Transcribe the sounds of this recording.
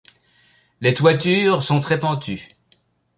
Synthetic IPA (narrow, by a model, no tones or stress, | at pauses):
let̪wat̪yʁsɔ̃t̪χɛpɑ̃t̪y